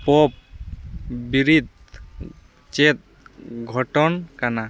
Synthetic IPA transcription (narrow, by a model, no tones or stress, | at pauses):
pɔp̚ | biɾid̪̚ | t͡ʃet̪̚ | ɡʱɔʈɔnkana